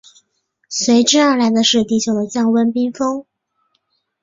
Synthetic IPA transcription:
swe˧˥ɪʈ͡ʂ̩˥˧a˞˥˩la˧˥ɪd̪ə˧ʂɻ̩˥˧t̪i˥˩t͡ɕʰjo˨˩ʊd̪ə˦t͡ɕjɑ˥˩ŋwə˥npi˥ŋfɤ˥ŋ

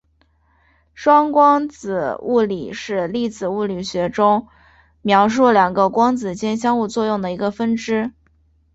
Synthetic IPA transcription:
ʂwɑ˥ŋkwɑ˥ŋt͡sɹ̩˨˩u˥˩lḭ˨˩˦ʂɻ̩˥˧li˥˩t͡sɹ̩˨˩u˥˩ly˨˩ɕɥɛ˧˥ʈ͡ʂʊ˥ŋ | mjɑ˧˥ʊʂ̬u˥˩ljɑ˨˩ŋɡə˦kwɑ˥ŋt͡sɹ̩˨˩t͡ɕjɛ˥nɕ̬jɑ˥ŋu˥˧t͡swɔ˥˧jʊ˥˩ŋd̪ə˩i˧˥ɡə˧fə˥nʈ͡ʂɻ̩˥

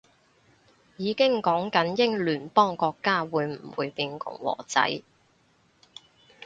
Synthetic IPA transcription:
jiː˨˧kɪ˥ŋkɔː˨˥ŋkɐ˨˥njɪ˥ŋlyː˨˩npɔː˥ŋkɔː˧kːaː˥wuː˨˧jm̩˨˩wṵː˨˧jpiː˧nkʊ̰˨˩ŋwɔ̰ː˨˩t͡sɐ̰˨˥j

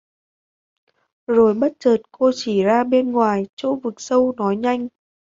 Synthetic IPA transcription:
zo˨˩jɓə˦˥t̚t͡ɕəː˨˩t̚ko˧t͡ɕi˧˩zaː˧ɓe˧nŋwaː˨˩jt͡ɕo̰˧˥vɨ˨˩k̚sə˧wnɔ˨˦jɲa˧jŋ̟

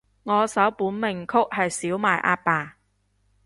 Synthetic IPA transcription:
ŋɔː˨˧sɐ˨˥wpuː˨˥nmɪ˨ŋkʰʊ˥k̚hɐ˨jsiː˨˥wmaː˨jʔaː˥t̚paː˨˩

